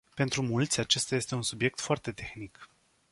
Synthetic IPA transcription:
pe̞nt̪ɾumult̪sʲat͡ʃe̞st̪aje̞st̪e̞unsubje̞k̚t̪foart̪e̞t̪e̞xnik

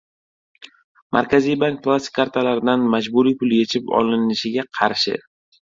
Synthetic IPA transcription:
mʔa̰ɾkʲʰazijbaŋk̚plˠasɪ̥kʰʲːaɾt̪ʰalaɾɪd̪anmad͡ʒbʊɾipʊlje̞t͡ʃʰɪpɒ̰lɪnɪʃɪɡʲaqʰɑɾʃɪ̰

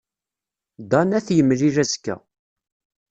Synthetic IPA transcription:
d̪ɑnæθjəmliɾæzkːæ̰

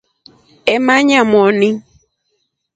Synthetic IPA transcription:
ɛmãɲãmɔnɪ̃

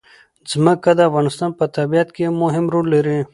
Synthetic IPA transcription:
zmɐkːɐd̪aːfɣaːnɪst̪ɑːnpɐt̪ɐbijɐt̪kemʊɦɪmɾuːleɾẽ

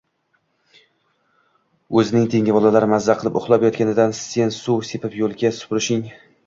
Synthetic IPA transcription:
ɵzɪnɪŋt̪ʰe̞ŋʲabɒlˠalaɾɪmazːaqʰɨlˠɪpʊχlˠɒpjɒt̪̚kʲanɪd̪anse̞nsuwsepʰɪpjolˠɡʲasʊ̥pɾɪʃɪŋ

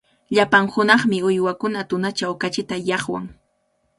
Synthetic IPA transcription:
ʎapaŋhʊnɑχmɪʊjwakʊnat̪ʊnat͡ʃawkat͡ʃɪt̪ajɑχwa̰ŋ

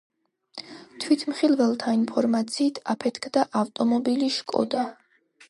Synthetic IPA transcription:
t̪ʰwit̪ʰmχilˠvɛlˠt̪ʰainpʰɔɾmat̪sʰiːt̪ʰapʰɛt̪ʰkʰd̪aʔaft̪ʼɔmɔbiliʃkʼɔ̰d̪a

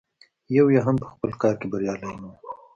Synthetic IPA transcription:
jawjaɦampə̥xpəlkɑːɾkebɐɾjɑːləjnu

